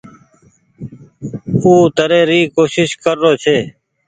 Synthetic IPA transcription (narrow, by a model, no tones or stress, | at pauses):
uːt̪əɾeːɾiːkoːʃɪʃkəɾːoːt͡ʃʰeː